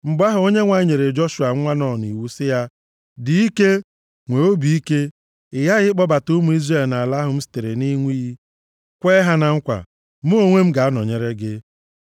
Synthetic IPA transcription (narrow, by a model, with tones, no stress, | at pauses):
ŋ͡m̩˨ɡ͡ba˦ɦʊ˨˦o˦ɲe˦ŋʷa˨˦ɲe˨ɾe˨d͡ʒɔ˦ʃu˨a˨˦ŋʷa˦nɔ˨n˨ḭ˨wu˨sɪ˦ja˦ | dɪ˨i˦ke˦ | ŋʷe˨o˦bi˨i˦ke˦ | ɪ˨ja˦ɣɪ˦k͡pɔ˦ba˨tʊ˦mu˨i˦zre˨lna˨a˨la˦ɦʊ˦m̩˦stɪ˨ɾe˨ni˦ŋʷi˦i˦ | kʷeː˦ɦa˦na˨ŋ̩˦kʷa̰˨ | mʊ˦o˦ŋʷe˦m̩˦ɡa˨a˦nɔ˨ɲe˨ɾe˦ɡɪ˦